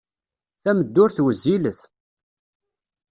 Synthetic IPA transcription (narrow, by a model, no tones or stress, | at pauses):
θæməd̪ːʊɾθwəzːiləθ